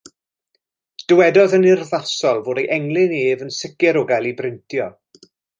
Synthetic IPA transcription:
d̥əwɛdɔðənɪrðasɔlˠvoːdejʔɛŋlˠɪneːvənsɪkɪɾʊɡalˠibrɪntʰjɔ

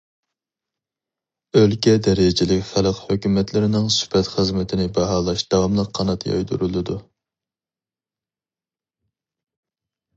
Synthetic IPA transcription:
ølkʲɛd̪ɛɾɪd͡ʒɪlɪkʲχælˠqhøkʲymɛt̪lɪɾɪnɪŋsy̥fɛt̪χəzmɪt̪ʰɪnɪbɛɦɑːlˠɑʃd̪̥ɑwɑmlˠəqʰːɑnɑt̪jɑ̰jd̪ṵɾulˠɨd̪u

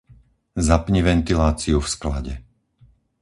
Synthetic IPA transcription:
zapɲiʋɛnt̪ilaːt͡siufskla̰ɟɛ

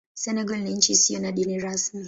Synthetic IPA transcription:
sɛnɛɡalniɲ̩t͡ʃisiɔnaɗiniɾasmi

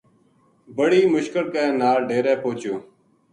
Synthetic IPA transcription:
bəɽiːmʊʃkəlkeːnaːlɖeːɾɛːpoːt͡ʃoː

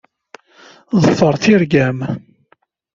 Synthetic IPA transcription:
ðˤəfːəɾˤθiɾɡæm

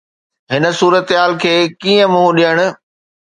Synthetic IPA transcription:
ɦɪnə̆suːɾət̪ɦaːlkʰeːkiːə̃mʊ̃ɦũɗiɦəɽ̃ʊ̆

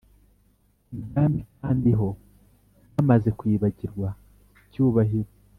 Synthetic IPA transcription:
ibjaːmbikaːndiɦo̞ | amaze̞kwiːβaɟiɾɡwa | cuːβaɦiɾwe

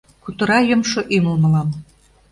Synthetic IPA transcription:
kut̪ə̆ɾɑjomʃoʔymə̆lmə̆lɑn

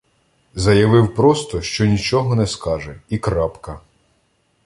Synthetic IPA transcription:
zɐjɐʋɪwpɾɔst̪ɔʃt͡ʃɔnʲit͡ʃɔɦɔnɛskɑʒɛikɾɑpkɐ

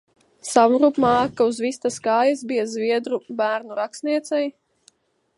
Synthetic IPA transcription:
sawnɾupmɑːkauzvist̪askaːjas̬bijazvʲiɛd̪ɾubæːɾnuɾakst̪niɛt̪sɛj

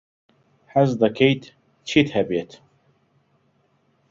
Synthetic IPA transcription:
ħazd̪ɑkejt̪ | t͡ʃʰit̪hæbet̪

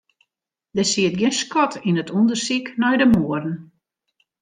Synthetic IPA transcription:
dəsiət̚ɡɪnskɔtʰinətʰundərsiknɔjdəmoərən̩

